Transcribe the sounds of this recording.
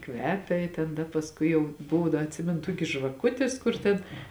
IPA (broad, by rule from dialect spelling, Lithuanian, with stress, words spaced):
ˈkʋʲæːpʲɛ ɪ tʲɛn ˈdɐ pɐsˈkʊɪ jɛʊ ˈbʊʋoː ˈdɐ ɐtʲˈsʲɪmʲɛnʊ ˈtuɔkʲɪs ʒʋɐˈkʊtʲɪs ˈkʊr tʲɛn